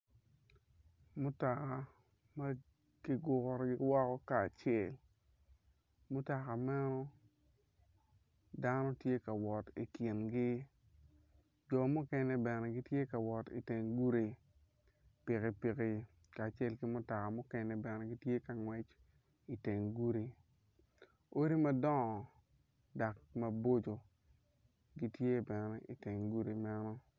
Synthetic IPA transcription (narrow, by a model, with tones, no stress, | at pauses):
mʊ˦ta˨ka˨ | ma˦ | ki˦ɡʊ˨kɔ˨ɾɡɪ˦wɔ˦kɔ˦kaː˨t͡ʃe˨l | mʊ˦ta˨ka˨mɛ˦nɔ˦ | da˦nɔ˦tje˦ka˨wɔ˨tḭ˨kjɪ˨nɡɪ˦ | d͡ʒɔ˨mʊ˦kɛ˦nɛ˦bɛ˨nɛ˨ɡɪ˦tje˦ka˨wɔ˨tḭ˨te˨ŋɡu˦ɾi˨ | pɪ˨kɪ˨pi˨kɪ˨ | kaː˨t͡ʃe˦lkɪ˦mʊ˦ta˨ka˨mʊ˦kɛ˦nɛ˦bɛ˨nɛ˦ɡi˦tje˦ka˨ŋwɛ˦t͡ʃ | i˨te˨ŋɡu˦ɾi˨ | o˦ɾi˦ma˦dɔ˦ŋɔ˨ | da˨kma˦bo˦d͡ʒo˨ | ɡi˨tje˦bɛ˨nɛ˦ʔi˨te˨ŋɡu˦ɾi˨ma˦nɔ˦